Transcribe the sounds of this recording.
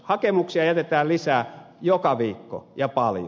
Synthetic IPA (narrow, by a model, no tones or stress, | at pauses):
hɑkemuksiɑjæt̪et̪æːllisæːjokɑʋiːkːo̰jɑpɑlj